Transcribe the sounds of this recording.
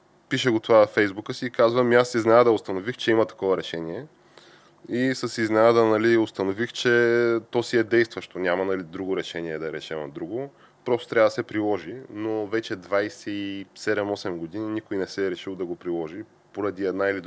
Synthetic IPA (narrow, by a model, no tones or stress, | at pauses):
piʃəɡot̪ovafɛjzbukəsiːkazvəmiasiznɛnad̪əʊst̪ɐnovixt͡ʃɛimɐt̪ɐ̥kɔvɐɾɛʃɛniɛ | isəsiznɛnad̪ənɐliost̪ɐnovixt͡ʃɛt̪ɔsiɛd̪ɛjst̪vəʃt̪onʲamɐnɐlid̪ɾuɡoɾɛʃɛniɛd̪ɐɾɛʃɛmɐd̪ɾuɡo | pɾɔst̪o̥t̪ɾʲavəd̪ɐsɛpɾilˠɔʒinovɛt͡ʃɛd̪vajsɛisɛd̪ɛmɔsɛmɡod̪ininikojnɛsɛɾɛʃilˠd̪ɐɡopɾilˠɔʒi | poɾɐd̪iɛd̪nailid̪